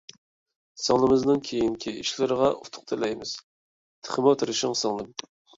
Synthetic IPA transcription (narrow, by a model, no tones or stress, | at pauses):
sɑŋlˠɨmɨznɨŋkʲʰejiŋkʲʰiiʃlɪɾəʁɑʔut̪ʰʊ̥q̚t̪ʰɨlɛjmɪz̥ | t̪ʰə̥χɨmot̪ʰɨɾʃɪŋsɑŋlˠɨm